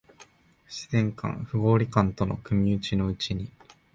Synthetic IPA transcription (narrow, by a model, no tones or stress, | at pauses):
ɕizẽ̞ŋkã̰ŋɸɯ̟ɡo̞ːɾʲikãnt̪o̞no̞̰kɯ̟mʲiɯt͡ɕino̞ɯ̟t͡ɕiɲ̟i